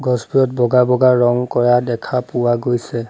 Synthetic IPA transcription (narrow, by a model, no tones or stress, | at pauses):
ɡɔzbijɔt̚bɔɡabɔɡaɹɔŋkɔɹadɛkʰapʊwaɡojsɛ